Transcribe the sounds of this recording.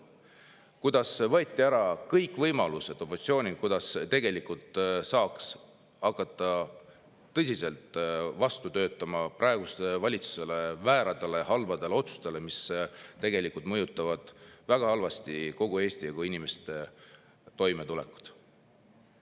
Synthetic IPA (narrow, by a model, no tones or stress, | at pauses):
kujd̪̥ɑsvɤːt̪ʲːiæɾɑkɤjkːˑvɤjmɑluse̞d̪̥o̞pot̪sio̞ːnʲikujd̪ɑst̪e̞ɡe̞likult̪ˑsɑːks | ɑkːˑɑt̪ˑːɑ | t̪ːɤsʲise̞lt̪ˑvɑst̪ut̪ø̞ːt̪ːˑɑmɑprɑeɡ̥ust̪evɑlʲit̪su̥se̞le̞væːɾɑd̪̥ele̞ɦhɑlvɑd̪̥e̞lo̞t̪su̥st̪e̞le̞mist̪e̞ɡe̞likult̪mɤjut̪ːˑɑvɑd̪̥væɡ̥ɑhɑlvɑst̪iko̞ɡ̥ue̞ːst̪ijɑɡ̥uinimest̪e̞ | t̪o̞jmet̪ulɛ̰ku̥t̪